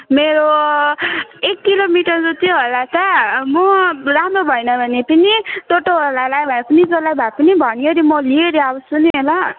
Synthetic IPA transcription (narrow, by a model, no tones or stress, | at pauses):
meɾo | ekːilomiʈʌrd͡zut̪oɦolat̪amoɾamɾobʱʌjnʌbʱʌnepʌnit̪oʈoɦolalajbʱaepʌnid͡zolajbʱaepʌnibʱʌnjoɾimʌlieɾiabʌsuneɦola